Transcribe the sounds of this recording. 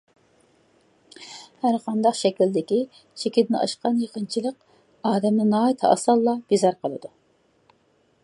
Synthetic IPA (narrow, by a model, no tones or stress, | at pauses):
hæɾqʰɑnd̪ɑqʃɛkʲild̪ɪkʲi | t͡ʃʰekʲit̪ɪnʔɑ̰ʃqɑnjeqʰənt͡ʃʰilˠəq | ɑːd̪ɛmnɨnɑːit̪ʰɨɑ̰sɑlˠːɑb̥izɑɾqəlˠɨ̰d̪u